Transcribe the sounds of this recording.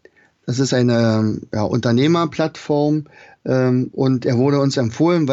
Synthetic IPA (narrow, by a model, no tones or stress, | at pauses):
d̥as̬ɪstʔaɪnəjaːʔʊ̰ntɐneːmɐpl̥atfɔɐmʔɛːʔʊntʔeːɐvʊɐɾəʊnsɛmfoːlənva